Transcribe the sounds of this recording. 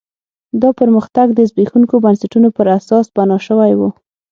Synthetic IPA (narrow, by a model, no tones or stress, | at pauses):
d̪ɑpəɾməxt̪aɡd̪əzbexuŋkobansaʈunopəɾasɑsbanɑʃəwajwu